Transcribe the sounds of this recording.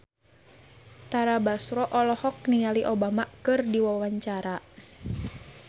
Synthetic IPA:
t̪aɾabasɾɔʔɔlɔhɔk̚nijaliʔobamakɨrdiwawaɲt͡ʃaɾa

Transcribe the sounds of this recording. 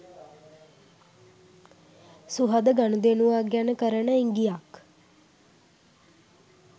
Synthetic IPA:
suɦad̪əɡanud̪enuʋaːɡjanəkəɾəɳəiŋɡijak

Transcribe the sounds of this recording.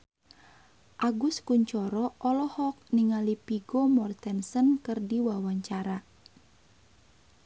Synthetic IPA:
ʔaɡuskuɲt͡ʃɔɾɔʔɔlɔhɔk̚niŋalipiɡɔmɔrt̪ɛnsənkɨrdiwawaɲt͡ʃaɾa

